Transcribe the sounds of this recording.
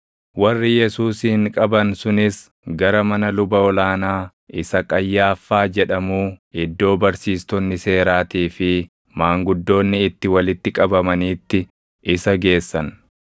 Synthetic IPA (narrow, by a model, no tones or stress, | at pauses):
wɐrːɪjɛsuːshɪŋkʼɐbɐnsʊnɪs | ɡɐɾɐmɐnɐlʊbɐɔlaːnaː | ʔɪsɐkʼɐjːaːfːaːd͡ʒɛᶑɐmuːɪd̪ːo̞ːbɐɾsiːst̪ɔnːɪse̞ːɾaːt̪iːfɪ | maːŋɡʊd̪ːo̞ːnːɪɪt̪ːɪwɐlɪt̪ːɪkʼɐbɐmɐniːt̪ːɪ | ɪsɐɡe̞ːsːɐn